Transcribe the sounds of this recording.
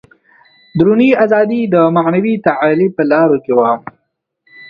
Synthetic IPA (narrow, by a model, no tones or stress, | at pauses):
d̪ɾuniazɑd̪id̪əmaʕnawit̪aʕalipəlɑɾokewa